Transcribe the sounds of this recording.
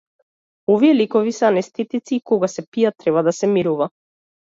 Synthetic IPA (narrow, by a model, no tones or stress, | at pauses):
ɔvijɛlikɔvisɛanɛst̪ɛt̪it̪siːkɔɡasɛpiat̪ːɾɛβad̪asɛmiɾuva